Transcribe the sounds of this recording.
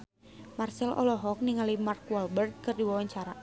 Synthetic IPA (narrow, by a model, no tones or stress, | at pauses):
marsɛlʔɔ̰lɔɦɔk̚niŋalimarkwɔlbɛrd̪̚kɨrdiwawaɲt͡ʃaɾa